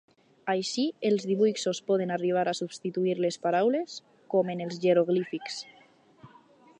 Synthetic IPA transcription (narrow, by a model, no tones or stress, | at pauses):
ajʃielˠzðiβujksospɔðenariβ̞aɾasubst̪it̪uiɾlespaɾawles | komenelˠzʒeɾoɣ̞lifiks